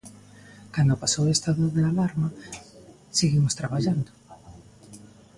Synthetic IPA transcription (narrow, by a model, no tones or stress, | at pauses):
kand̪opasowest̪aðoðealaɾma | seɣimost̪ɾaβ̞aʎand̪o